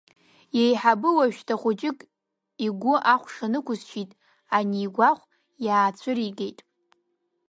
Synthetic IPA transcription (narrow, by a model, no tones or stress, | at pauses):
jejħabɨwaʃᶣtʰaχʷʊt͡ʃʼɪkʼ | iɡʷʊʔaχʷʂanɨkʷʊzʃitʼ | aniːɡʷaχʷ | jaːt͡sʷʰɨriɡejtʼ